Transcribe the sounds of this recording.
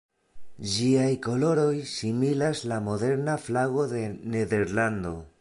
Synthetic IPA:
d͡ʒiajko̞lo̞ɾo̞jsimilaslamo̞de̞ɾnaflaɣo̞de̞ne̞ðe̞ɾland̪o̞

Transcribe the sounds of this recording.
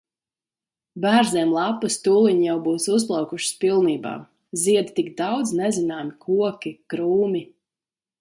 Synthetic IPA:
bæːɾzɛɛmlˠapːɨst̪uːlˠiɲjawbuːsus̬plˠawkuʃi̥spilˠniːba̰ː | ziɛd̪t̪iɡd̪awd̪znɛzinaːmikʰuɔkʲikɾuːmi

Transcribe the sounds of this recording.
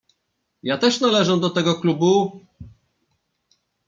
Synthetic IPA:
jat̪ɛʂnalɛʐɛd̪ɔt̪ɛɡɔklubu

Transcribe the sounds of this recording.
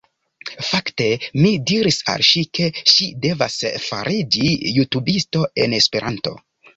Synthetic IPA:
fakte̞midiɾisa̰lʃikʰe̞ʃide̞vasfa̰ɾʔid͡ʒijutubisto̞e̞ne̞spe̞ɾʔanto̞̰

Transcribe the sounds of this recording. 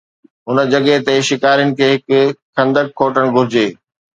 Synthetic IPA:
ɦʊnəd͡ʑɐɠet̪eʃɪkaːɾijənɪ̆kʰeːɦɪkxʰɐ̃nd̪əkʰːoːʈəɽ̃ɡʱʊɾɪd͡ʑeː

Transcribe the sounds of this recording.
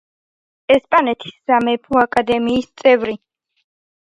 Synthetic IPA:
ɛspʼanɛt̪ʰi̥sːamɛpʰuakʼad̪ɛmiːst̪sʼɛvɾi

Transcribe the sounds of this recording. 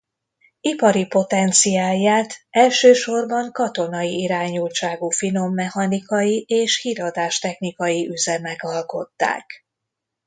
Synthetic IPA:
ipɒɾipo̞t̪ɛnt̪sijaːjːaːt̪ɛlʃøːʃo̞rbɒŋkɒt̪o̞nɒjiiɾaːɲult͡ʃaːɡufino̞mːɛhɒnikɒjieːʃhiɾɒd̪aːʃt̪ɛxnikɒjiʔyzɛmɛɡɒlko̞t̪ːa̰ːk

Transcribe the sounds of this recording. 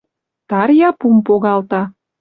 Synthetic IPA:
t̪ɑɾjɑpumpoɣɑlt̪ɑ

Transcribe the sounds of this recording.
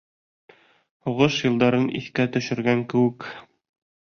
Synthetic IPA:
huʁɤʃjɤ̆lˠd̪ɑɾɤnʔḭθkæt̪ɵ̆ʃɘ̆ɾɡæŋkɘ̆wɘk

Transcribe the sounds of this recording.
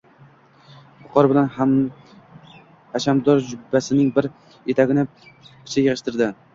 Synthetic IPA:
bʊqʰɒɾbɪlanham | haʃamd̪ɒɾd͡ʒʊbːasɪnɪŋbɪɾ | et̪ʰaɡʲɪnɪ | kʰʲɪ̥t͡ʃʰɪjɪʁɨʃt̪ɪɾd̪ɪ

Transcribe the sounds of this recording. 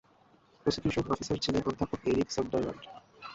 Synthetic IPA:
pɾosik̪iʃokɔfisaɾt͡ɕʰilenʔod̪ʱːapokeɾiksobɖajla̰ɳɖ

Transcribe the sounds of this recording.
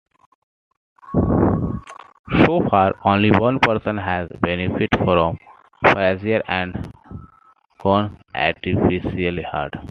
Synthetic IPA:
soːfaːɾõːnliʋʌ̃npəɾsə̃nɦæzbenifɪʈfɾɔ̃m | pɾɛziəɾæ̃ɳɖ | kɔ̃nʔæ̰ʈifiʃiəliha̰ːɾɖ

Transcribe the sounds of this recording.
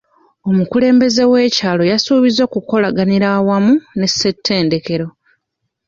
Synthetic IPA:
o̞mukule̞ːmbe̞ze̞we̞ːcaːlo̞jasuːβizo̞ːkuko̞laɡaniɾawamune̞sːe̞tʰːe̞ːnde̞ke̞ɾo̞

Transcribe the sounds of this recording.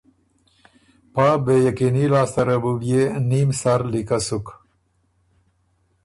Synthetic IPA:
pabejɐkinilaːst̪ɐɾɐbubjenimsaɾlikasuk

